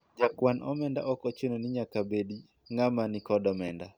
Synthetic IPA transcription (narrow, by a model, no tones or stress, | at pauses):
d͡ʒakwanʔɔmɛndaʔɔkɔt͡ʃononɪɲakabedi | ŋamanɪkɔdɔmɛnda